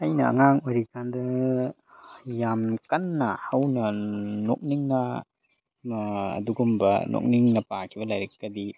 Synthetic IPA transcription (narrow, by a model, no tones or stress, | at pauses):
ɐjnɐɐ̰ŋaŋojɾikandɐ | jamkɐnːɐhɐwnɐno̰k̚niŋnɐ | ɐ̰duɡumbɐnʔo̰k̚niŋnɐpakʰibɐlɐjɾɐk̚ɡɐdi